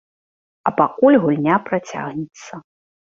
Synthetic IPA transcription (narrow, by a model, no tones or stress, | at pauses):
ɐpakulʲɣulʲnʲapɾat͡sʲa̰ɣnʲɛt̪sːɐ